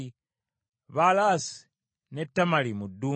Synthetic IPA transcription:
βalasi̥ | ne̞tːamalimudu

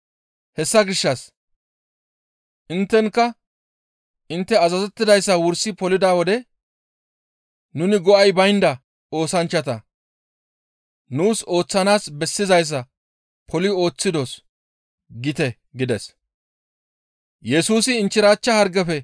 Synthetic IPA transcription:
hɛsːɐɡɪʃːɐs | ʔɪnt̪ːɛŋkːɐ | ʔɪnt̪ːɛɐzɐzɛt̪ːɪd̪ɐjsːɐwʊɾsɪpɔlɪd̪aːwɔd̪ɛ | nʊnɪɡɔʔɐjbɐjnd̪ɐ | o̞ːsɐnt͡ʃːɐt̪ɐ | nuːso̞ːt͡sːɐnaːsbɛsːɪzɐjs̬ːɐ | pʰɔlɪo̞ːt͡sːɪd̪os | ɡɪt̪ɛ | ɡɪd̪ɛs | jɛsuːsɪːnt͡ʃːɪɾaːt͡ʃːɐhɐɾɡɛfɛ

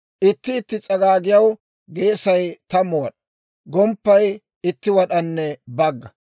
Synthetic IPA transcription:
ʔɪt̪ːɪːt̪ːɪt͡sʼɐɡaːɡɪjɐw | ɡe̞ːsɐjt̪ɐmɔwɐɗɐ | ɡɔmpːɐj | ɪt̪ːɪwɐɗɐnːɛbɐɡːɐ

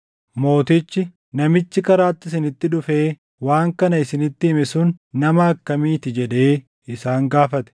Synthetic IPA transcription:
mo̞ːt̪ɪt͡ʃːɪ | nɐmɪt͡ʃːɪkɐɾaːt̪ːɪsɪnɪt̪ːɪᶑ̪ʊfeː | waːŋkɐnɐɪsɪnɪt̪ːɪɪmɪsʊnːɐmɐɐkːɐmiːt̪ɪd͡ʒɛd̪e̞ː | ɪsaːŋɡaːfɐt̪ɛ̥

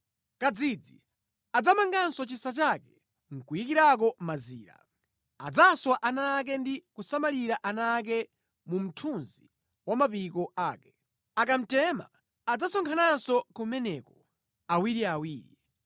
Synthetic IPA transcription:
kad͡zid͡zi | ad͡zamaŋɡansɔt͡ʃisat͡ʃakɛ | ŋ̩kujikiɾak̬ɔmazḭːɾa̰ | a̰d͡zaswaʔanak̬ɛndikusamaliɾaʔanak̬ɛ | mum̩tʰunzi | wamapikɔaːkɛ̥ | akam̩tɛma̰ | ad͡zasɔŋkʰanansɔkumɛnɛkɔ | awiɾiawiːɾḭ

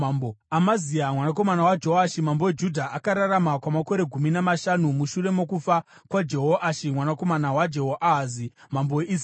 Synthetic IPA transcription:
amaziamwanak̬o̞manawad͡ʒeɦoaʃimambo̞wed͡ʒudʱaʔakaɾaɾamakwamako̞ɾe̞ɡʱuminamaʃanumuʃure̞mo̞kufa | kwad͡ʒe̞ɦoʔaʃimwanako̞manawad͡ʒeɦoʔazimamboweis

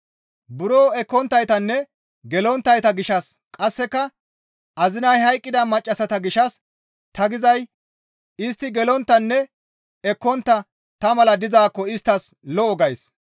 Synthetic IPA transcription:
bʊɾoːɛkːɔnt̪ːɐjt̪ɐnːɛ | ɡɛlɔnt̪ːɐjt̪ɐɡɪʃɐskʼɐsːɛkːɐ | ʔɐzɪnɐjhɐjkʼːɪd̪ɐmɐt͡ʃʼːɐsɐt̪ɐɡɪʃɐs | t̪ɐɡɪzɐj | ɪst̪ːɪɡɛlɔnt̪ːɐnːɛ | ɛkːɔnt̪ːɐ | t̪ɐmɐlɐd̪ɪzaːkːɔɪst̪ːɐslɔɔɡɐjs

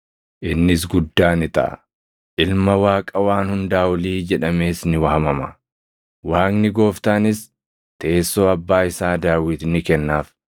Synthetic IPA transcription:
ʔɪnːɪs̬ɡʊd̪ːaːnɪt̪ɐ̰ʔɐ | ʔɪlmɐwaːkʼɐwaːnhʊnd̪aːʊliːd͡ʒɛᶑɐmeːsnɪwɐhɐmɐmɐ | waːknɪɡo̞ːft̪aːnɪs | t̪eːsːo̞ːɐbːaːɪsaːd̪aːwɪt̪nɪkɛnːaːf

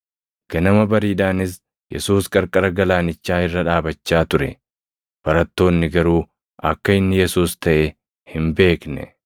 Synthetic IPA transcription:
ɡ̥ɐnɐmɐbɐɾiːd̪aːnɪs̬ | jɛ̰suːskʼɐɾkʼɐɾɐɡɐlaːnɪt͡ʃːaːhɪrːɐᶑaːbɐt͡ʃːaːt̪ʊɾɛ̰ | b̥ɐɾɐt̪ːo̞ːnːɪɡɐɾuː | ʔɐkːɐɪnːɪjɛsuːst̪ɐʔe | hɪmbe̞ːknɛ̰

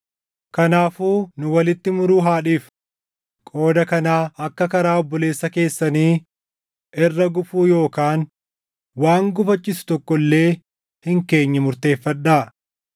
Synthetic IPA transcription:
kɐnaːfuːnʊwɐlɪt̪ːɪmʊɾuːɦaːᶑiːf | kʼo̞ːd̪ɐkɐnaːɐkːɐkɐɾaːɔbːɔle̞ːsːɐke̞ːsːɐniː | ʔɪrːɐɡʊfuːjo̞ːkaːn | waːŋɡʊfɐt͡ʃʼːɪsʊ̥t̪ɔkːɔlːe̞ː | hɪŋke̞ːɲːɐmʊɾt̪e̞ːfːɐᶑaː

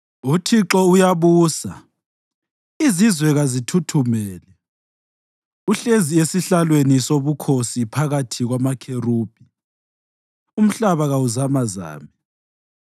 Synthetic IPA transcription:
utʰiǁɔujaβuːsa | izizwɛɣazitʰutʰumɛːlɛ | uɬeziesiɬalwenisoβukʰosipʰaɣatʰiɣwamakʰeruːb̥ʱi | um̩ɬaβaɣauzamaza̰ːmi

